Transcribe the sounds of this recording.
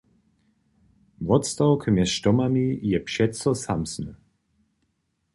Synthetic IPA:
vɔt̪st̪awkʰəmjɛsʃtɔmanijɛpʃɛtt͡sɔsamsnə

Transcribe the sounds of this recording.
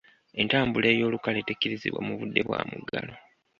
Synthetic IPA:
e̞ntaːmbule̞ːjo̞ːlukale̞tecːiɾizḭβwa̰muβudːe̞βwa̰muɡːalo̞

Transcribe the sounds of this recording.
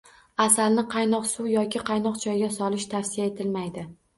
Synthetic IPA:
asalnɪqʰɑjnɒqsuwjɒkʲʰɪqʰɑjnɒqt͡ʃʰɒjɡʲasɒlɪʃt̪ʰafsijae̞t̪ʰɪlmajd̪ɪ

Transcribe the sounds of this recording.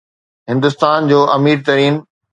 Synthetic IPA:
ɦɪ̃nd̪ʊst̪aːnd͡ʑoːʔɐmiːɾt̪ɐɾiːn

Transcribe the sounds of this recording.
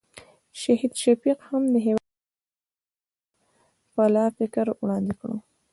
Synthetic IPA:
ʃaɦid̪ʃafiqhamd̪əɦew | palɑfɪkəɾwɽɑnd̪ɪkɽṵ

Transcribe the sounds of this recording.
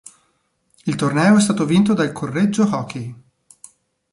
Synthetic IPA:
ilt̪ornɛːoɛst̪aːt̪ovint̪od̪alkʰorːed͡ʒːohɔkʰe

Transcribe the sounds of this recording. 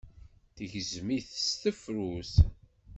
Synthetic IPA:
θəʝəzmiθst̪əfɾuθ

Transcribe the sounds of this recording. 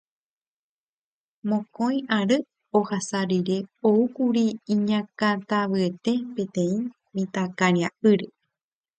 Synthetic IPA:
mõkõj̃ʔaɾɨ | ohasaɾiɾe̞oukuɾiĩɲãkãt̪aʋɨet̪e̞pẽ̞t̪ẽ̞ĩ | mĩt̪akãɾiaʔɨɾe

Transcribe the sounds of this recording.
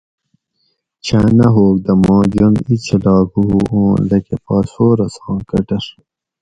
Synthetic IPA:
t͡ɕʰaːnɐɦoːk̚d̪ɐmõːd͡ʑonit͡ɕʰɐlɑːkuɦuʔõːnlɐkepɑːsoːɾɐsɑ̃ːkɐʈɐʂ

